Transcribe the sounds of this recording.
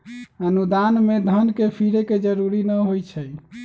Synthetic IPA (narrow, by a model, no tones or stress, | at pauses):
ənud̪anmed̪ʱənkepʰiɾeked͡ʒəɾuɾinəɦojt͡ʃʰəj